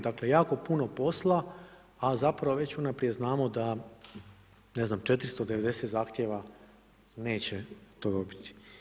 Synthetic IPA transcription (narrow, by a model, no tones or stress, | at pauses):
d̪akle̞jaːko̞puno̞po̞slˠa | azapɾaʋoʋe̞t͡ɕunapɾije̞znaːmo̞d̪a | ne̞znamt͡ʃe̞t̪ɾist̪od̪eʋe̞d̪e̞set̪zaːxt̪jeʋa | ne̞ːt͡ɕet̪o̞ːd̪obit̪i̥